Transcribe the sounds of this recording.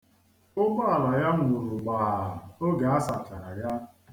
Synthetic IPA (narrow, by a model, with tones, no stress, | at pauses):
ʊ˦bʊ˦a˨la˨ja˦m˨ʊ˨ɾʊ˨ɡ͡baː˨o˦ɡa˨a˦sa˨t͡ʃa˨ɾa˨ja˦